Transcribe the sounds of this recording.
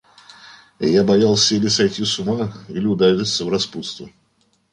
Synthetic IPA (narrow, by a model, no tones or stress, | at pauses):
jabajalˠsʲəilʲɪsɐjt̪ʲjusʊmailʲɪʊd̪aɾʲisʲəvɾɐsput̪st̪vʊ